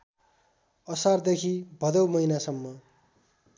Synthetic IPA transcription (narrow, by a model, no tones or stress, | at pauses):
ʌsard̪ekʰibʱʌd̪ʌwmʌinasʌmːʌ